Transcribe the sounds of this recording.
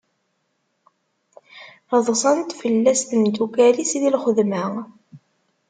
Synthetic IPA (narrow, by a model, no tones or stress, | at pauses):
əðˤsˤɑnt̪fəlːæst̪ənd̪ukælisiðilχəðmæ